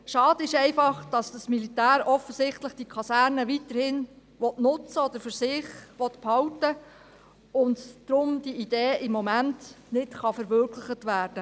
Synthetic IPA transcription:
ʃɑːd̥əɪʃɛɪfɑχd̥ɑsd̥ɑsmilitæːɾɔfəsɪχtləχd̥ikʰɑsæːɾnəʋitəɾhɪn | ʋɔtnʊt͡səɔd̥̪əɾfʏɾsɪχʋɔtphɑwtə | ʊndd̥ɾʊmdiid̥eːʔɪmːɔmænt | nɪtχɑfɛɾʋørkʰlɪχətʋæːɾd̥ə

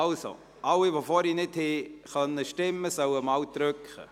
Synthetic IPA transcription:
also̰ | ʔawɪvoːfoːɾinɪtheːχœnəʃtɪməsœwəmawtɾʏkχə̰

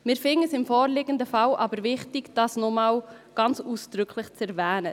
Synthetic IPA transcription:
mɪɾfɪŋəsɪmfɔːɾlɪɡ̥əndəfɑlʔɑbəɾvɪχtɪɡd̥ɑːsnɔmaːlɡ̥ɑnt͡suːsd̥ɾʏkʰlɪχt͡sɛɾvɛːnə

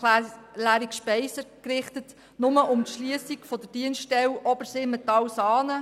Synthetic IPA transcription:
læːɾikʃpɛɪsəkɾɪχtət | nʊməʔʊmt̪ʃliəsikfɔd̪əd̥iənstɛwʔɔbəɾsɪːmɛt̪ːɑwsɑːnə

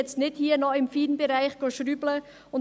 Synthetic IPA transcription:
ɛt͡stnɪthiːnɔɪmfiːdnbeɾaɪçɡ̥oʃɾyːblə | ʊn

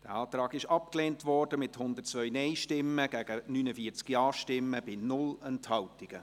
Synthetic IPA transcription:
d̥ɛːɑːt̪ɾɑːɡɪʃɑp̚kleːntvɔɾd̥əmɪthʊnd̪ətt͡svœʏnɛɪʃtɪmːəɡ̥æɡ̥ənyːnəfiːət͡skjɑːʃtɪmːəbɪnʊlɛnthɑwtɪɡ̥ə

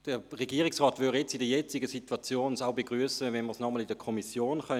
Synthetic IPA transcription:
d̥əʁeɡiːʁɪksʁɑːtvʏjɛt͡sidəjɛt͡sɪɡəsitwat͡sjoːnsaʊbeɡʁyəsəvɛnməsnɔməlɪdəkʰɔmisjoːnχœ

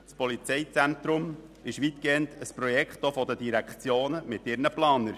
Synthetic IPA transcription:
t͡spɔlit͡sɛɪt͡sæntɾʊm | ɪʃʋitɡ̥eːəntʰəspɾɔjɛkχtofɔdədiɾækʰt͡sjoːnəmɪtɪɾnəplɑːnəɾ

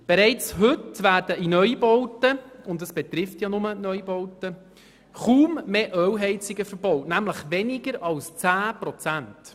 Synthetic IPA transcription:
b̥eɾɛɪt͡shɵtʋæːɾd̥əinœʏbɔwtəʊndəsb̥ɛt̪rɪftjɑnʊmənœʏbɔwtə | χuːmːeːʔœwɦɛɪt͡sɪɡəfəɾb̥ɔwtnæmləχʋɛnɪɡəɾɑlst͡sæːpɾɔt͡sænt

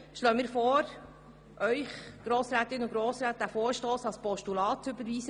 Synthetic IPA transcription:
ʃlœːmiːɾfɔːɾ | ʔœʏχɡ̥ɾoːsɾæːt̪ɪnʊɡɾoːsɾæːt̚dæfoːɾʃtoːsɑlspɔʃtulɑːtt͡sʏbəɾʋiːzə

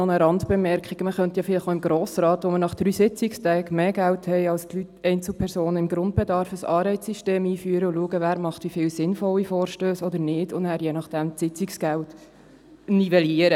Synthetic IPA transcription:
onəɾɑntb̥ɛmɛɾkχiɡ̥əməχœntjɑfɪlɪχoʊɪmɡɾoːsɾɑːtʋomənɑχd̥ɾyːsɪt͡sɪkstɛːɡmeːɡælthɛɪɑlstlytɛɪnt͡sl̩pʰɛɾsoːnəɪmɡɾʊnt̚b̥ɛdɑɾfəsɑːɾɛɪt͡sːiʃteːmiːfyːəɾəʊluəɡəvæːɾmɑχtʋifɪːlsɪnfɔlːifoːɾʃtøːsɔd̪əɾnɪdʊndæːɾjenɑχd̥ɛmsɪt͡sɪksɡ̥ælt | nivɛliəɾə

